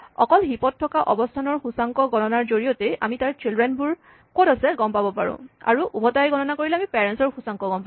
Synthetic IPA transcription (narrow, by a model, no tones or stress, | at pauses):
ɔ̰kɔlɦipɔd̚tʰːɔkaʔɔbɔstʰanɔɹxusaŋkɔɡɔnɔnaɹzoɹijɔtea̰mitaɹt͡ʃildɹɛnbuɹ | kɔtasɛɡɔmpabɔpaɹʊ̰̃a̰ɹuʔubɔtajɡɔnɔnakoɹilɛamipɛɹɛnsɔɹxusaŋkɔɡɔmpa